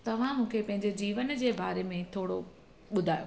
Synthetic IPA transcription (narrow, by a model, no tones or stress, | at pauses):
t̪ɐʋ̤ãmũːkʰepɐ̃ɦɪ̃ɲd͡ʑed͡ʑiːʋənd͡ʑeːbaːɾemẽt̪ʰoːɽo | ɓʊd̪ʱaːjo